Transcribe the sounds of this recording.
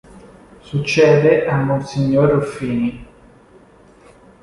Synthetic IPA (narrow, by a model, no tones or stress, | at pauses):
sut͡ʃːɛːd̪eʔamːonsiɲːoɾofiːni